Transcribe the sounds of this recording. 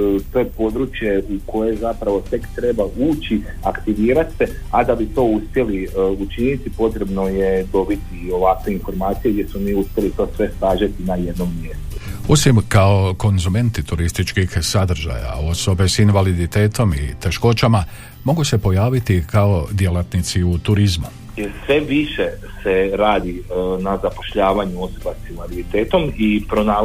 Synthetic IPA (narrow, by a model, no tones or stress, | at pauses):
t̪o̞jepo̞d̪ɾuːt͡ʃje̞uko̞je̞zapɾaʋo̞t̪e̞kt̪ɾe̞bauːt͡ɕi | akt̪iʋiːɾat̪sead̪abit̪o̞ːuspʲje̞liut͡ʃinit̪ipo̞t̪ɾe̞bnojed̪o̞bit̪io̞ʋakʋeinfo̞ɾmaːt̪sijeɡd̪je̞smomiːuspjelit̪o̞ːsʋe̞saːʒat̪inaje̞d̪no̞mːje̞st̪uo̞simkao̞ko̞nzume̞nt̪it̪uɾist̪it͡ʃkixsad̪r̩ʒa̰ja̰o̞so̞be̞sinʋalid̪it̪e̞ːt̪o̞mḭt̪e̞ʃko̞t͡ʃama | mo̞ɡuse̞po̞jaːʋit̪ikao̞d̪je̞lat̪nit̪siut̪uɾizmu | jsʋe̞ʋiʃeseɾaːd̪inazapo̞ʃʎaːʋaɲuosobasinʋalid̪it̪eːt̪o̞mipɾonaː